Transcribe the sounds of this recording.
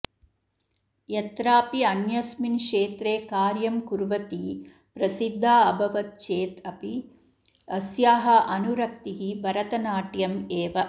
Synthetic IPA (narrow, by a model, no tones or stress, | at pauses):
jɛt̪ɾaːpiɐnjɐsminkʂeːt̪ɾeːkaːɾjɐmkuɾʋɐt̪i | pɾɐsid̪ʱːaːɐbʱɐʋɐt̪̚t͡ʃeːt̪ɐpi | ɐsjaːɦɐʔɐnuɾɐkt̪iɦibʱɐɾɐt̪ɐnaːʈjɐmeːʋɐ